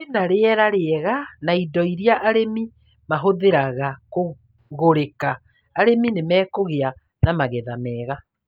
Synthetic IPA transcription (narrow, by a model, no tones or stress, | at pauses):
enaɾeɛɾaɾeɛɣanaidɔiɾiaʔaɾemi | maɦoðeɾaɣako | ɣoɾekaː | ɾeminemɛːkoɣea | namaɣɛðamɛːɣa